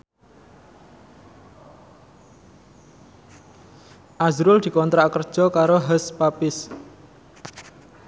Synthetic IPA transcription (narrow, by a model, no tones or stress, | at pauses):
ʔazɾʊld̪̥i̤kɔnt̪ɾaʔkərd̥ʒ̥ɔ̤kaɾoɦəspapɪs